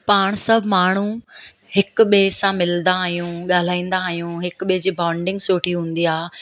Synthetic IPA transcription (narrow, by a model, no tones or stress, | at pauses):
paːɽ̃sɐbʱmaːɳ̤ũ | hɪk̆ɓeːsãmɪlənd̪aːɦijũɠaːl̤aːĩːn̆d̪aːɦijũɦɪkɓed͡ʑiːbãːʊɳɖɪ̃ŋɡsoːʈʰiɦũːn̆d̪iaː